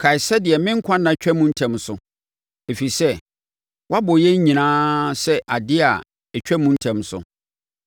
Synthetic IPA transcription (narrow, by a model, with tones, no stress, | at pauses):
kʰa˨i˨sa˦dɪ˨ɛ˨mɪ̃˦ŋ̩˦kʷʰã˦nã˨t͡ɕᶣɛ˦mũ˦n̩˦tʰɛ̃˨msʊ˨ | e˨fi˨sɛ˦ | wʔa˦bɔ˨jɛ˦ɲ˦ɲĩ˨nãː˦sɛ˦ʔa˨dɪ˦a̰˨ | ɛ˨t͡ɕᶣɛ˦mũ˦n̩˦tʰɛ̃˨msʊ̰˨˦